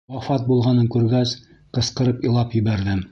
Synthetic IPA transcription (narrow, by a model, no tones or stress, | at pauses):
wɑfɑt̪̚bulˠʁɑnɤŋkʉɾɡæs | qɤ̆sqɤ̆ɾɤpɤ̆lˠɑpjɘ̆βæɾðɘm